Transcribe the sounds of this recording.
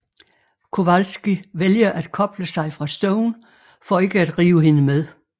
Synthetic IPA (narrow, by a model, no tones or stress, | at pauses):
kʰo̝ʋælsɡ̥iʋeljɐʔæd̥kʰɒ̽b̥ləsɑ̈ɪfʁɑ̈sd̥ɔʊn | fɒ̽e̝ɡ̥əæd̥ʁiːʊəhe̝nəmeðˠ